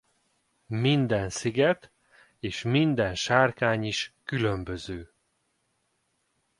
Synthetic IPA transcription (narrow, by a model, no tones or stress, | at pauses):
mind̪ɛnsiɡɛt̪ | eːʃmind̪ɛnʃaːrkaːɲiʃkylømbøzøː